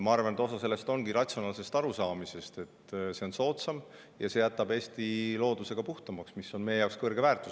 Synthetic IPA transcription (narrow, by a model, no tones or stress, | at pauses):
mɑɑrvɑnet̪o̞sɑse̞lːe̞st̪o̞nɡiɾɑt̪ʲsio̞nɑːlse̞st̪ɑɾusɑːmise̞st̪e̞tt̪ːse̞o̞nso̞ːt̪sɑm | jɑse̞jæt̪ːˑɑbe̞ːst̪ilo̞ːd̪̥use̞ɡ̥ɑpuht̪ɑmɑksmisːo̞nmejejɑwkskɤrɡ̥e̞væːrt̪u̥s